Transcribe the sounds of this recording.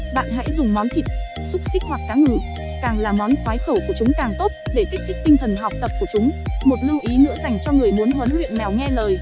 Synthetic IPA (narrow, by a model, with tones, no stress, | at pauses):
ɓa̰ː˧˨nɦa̰˧˥jzʊ˨˩ŋ͡mmɔ˨˦nt̪ʰi˨˩t̚sʊ˦˥p̚sï˦˥k̚hwa˨˩k̚ːaː˨˦ŋɨ˧˩ | kaː˨˩ŋlaː˨˩mɔ˨˦nxwaː˨˦jxə˧˩wku˧˩ət͡ɕʊ˨˦ŋ͡mkaː˨˩ŋt̪o˦˥t̚ɗe˧˩t̪i˦˥k̚kï˦˥k̚t̪ï˧ŋt̪ʰə˨˩nɦa˨˩wk͡p̚t̪ə˨˩p̚ku˧˩ət͡ɕʊ˨˦ŋ͡mmo˨˩t̚lɨ˧əwʔi˨˦nɨ̰˧˥əza˧˩jŋ̟t͡ɕɔ˧ŋɨ˨˩əjmu˨˦ənɦə˨˦nlwḭ˧˨ənnɛ˨˩wŋɛ˧ləː˨˩j